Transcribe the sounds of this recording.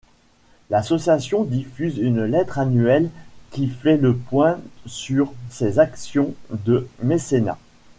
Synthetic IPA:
lasɔsjasjɔ̃d̪ifyzynlɛt̪χanɥɛlkʲifɛləpwɛ̃syʁsezaksjɔ̃d̪əmesena̰

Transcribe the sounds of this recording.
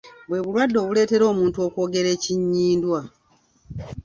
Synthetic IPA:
bwe̞βulwadːo̞ːβule̞ːte̞ɾo̞ːmuːntuo̞ːko̞ːɡe̞ɾe̞ːciɲːiːndwa

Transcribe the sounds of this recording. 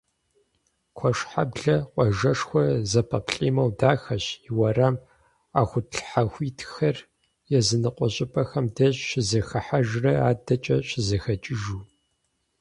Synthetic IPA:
kʷʰɔʂħabɮɐqʷʼɔʒɐʂxʷɔzɐpʰɐpʰɬʼḭːmɐwdaːxɐɕiwɐram | aːxʷʊtɬħaxʷiːtʰxɐr | jɛzɨnɨqʷʼɔɕʼɪpʼɐxɐmdɐɕɕɪzɐxɐħaʒrɐaːdɐt͡ʃʼɐɕɪzɐxɐt͡ʃʼɪʒuː

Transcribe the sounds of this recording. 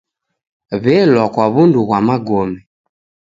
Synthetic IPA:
βɛlwakwaβunduɣwamaɡɔmɛ

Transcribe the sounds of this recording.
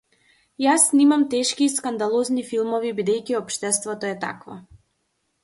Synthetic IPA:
jasnimamt̪ɛʃkiːskand̪alˠɔznifilˠmɔvibid̪ɛjciɔpʃt̪ɛst̪vɔt̪ɔɛt̪a̰kvɔ̰

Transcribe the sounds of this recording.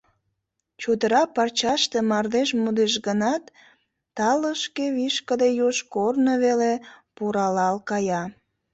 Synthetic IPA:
t͡ɕod̪əɾɑpɑrt͡ɕɑʃt̪emɑrd̪eʃmud̪eʃɡənɑt̪ː | ɑləʃkeβiʃkəd̪ejoʃkornəβelepuɾɑlɑlkɑjɑ

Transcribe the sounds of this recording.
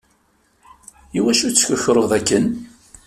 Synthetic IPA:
iwæʃut͡sːçəçɾˤəʁðækːən

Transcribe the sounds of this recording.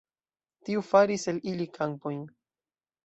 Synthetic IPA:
tiufaɾise̞lilikʰampojn

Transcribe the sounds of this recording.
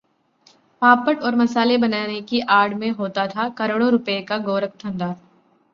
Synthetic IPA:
paːpəʈɔːɾmɐsaːlebɐnaːnekiʔaːɾɽmẽɦoːt̪at̪ʰakɐɾoːɽõɾʊpəekaɡoːɾək̚t̪ʰɐ̃nd̪aː

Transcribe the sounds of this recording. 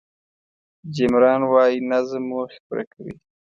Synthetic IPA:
d͡ʒɪmɾɑːnwɑːjinazmuxpɾa̰kʰawḭ

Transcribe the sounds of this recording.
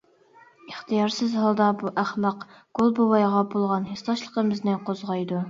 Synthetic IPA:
əχt̪ʰɨjɑɾsɨzɦɑlˠd̪ɑbuʔæχmɑq | ɡ̥olˠbowɑjʁɑbolˠʁɑnɦesɑʃlˠəqəmɨznɪqʰozʁɑjd̪u

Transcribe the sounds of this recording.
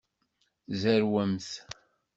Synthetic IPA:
zæɾwæmθ

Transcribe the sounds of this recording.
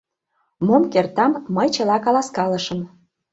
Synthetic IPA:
momkert̪ɑmːəjt͡ɕɤ̆lɑkɑlɑskɑləʃəm

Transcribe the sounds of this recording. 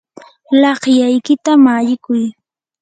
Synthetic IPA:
lɑχjajkɪt̪amaʎɪkʊj

